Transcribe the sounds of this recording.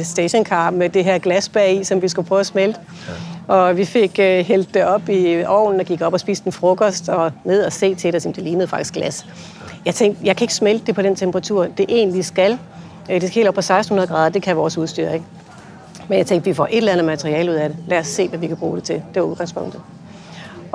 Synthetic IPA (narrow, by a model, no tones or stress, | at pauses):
sd̥eɕɔ̽nkʰɑ̰̈ːb̥med̥e̝ɦeɐ̰ɡ̥læsb̥ɛisɒ̽mʋisɡ̥upʰʁœʊsmeld̥ | ɒ̽ʋife̝ɡ̥øɦel̰d̥ːeɒ̽b̥iɒ̰ːn̩ɒɡ̥iɡ̥ɒ̽b̥ɒ̽sb̥ḭːsd̥en̩fʁɔ̽ɡ̥ɒsd̥ɒ̽með̞ˠɒse̝̰ːt͡sʰe̝ɾesim̩d̥e̝liːnð̩ˠfɑ̈ɡ̥i̥sɡ̥læs | jɑ̈ɪt͡sʰeŋ̰ɡd̥jɑ̈ɪkʰæe̝ɡ̥əsmeld̥e̝pʰɒ̽d̥ɾent͡sʰemb̥əʁɑ̈t͡sʰuɐ̰d̥e̝ʔe̝̰ːnlisɡ̥æl | d̥eskʰhe̝ldɒbpʰɒ̽sɑ̈ɪsdn̩hunɐðˠɡʁɑ̈ːð̞ˠd̥e̝kʰæʋɒːsuð̞ˠsd̥y̰ɐ̰eŋ | menjɑ̈ɪeŋɡd̥ʋifɒ̰ʔe̝d̥ɾelænð̩ˠmæt͡sʰʁiɛːluð̞̰ˠæɾ̥elæɒsːe̝̰ːʋæʋikʰæb̥ʁṵːɾ̥e̝t͡sʰe̝ld̥e̝ɑuðˠɡɑ̈ŋspʰɔ̽ŋ̰d̥ð̩ˠ